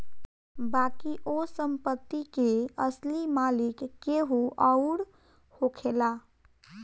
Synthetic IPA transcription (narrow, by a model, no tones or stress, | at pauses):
bakiʔosəmpət̪ːikeəslimalikːeɦuʔəʊɽ | hokʰela